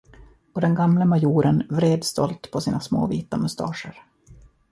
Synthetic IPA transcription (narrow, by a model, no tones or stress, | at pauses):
pɔd̪ɛnɡamləmajuːɾənvɾeːd̪st̪ʰɔ̰lt̪pʰɔsiːnasmo̰ːviːt̪amɵst̪ʰɑ̰ːʂəɾ